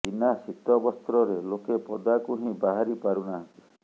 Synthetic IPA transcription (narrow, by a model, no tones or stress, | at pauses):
d͡ʒinasit̪ɔbɔst̪ɾɔɾelokepɔd̪akuɦĩbaɦaɾipaɾunaɦɔnt̪i̥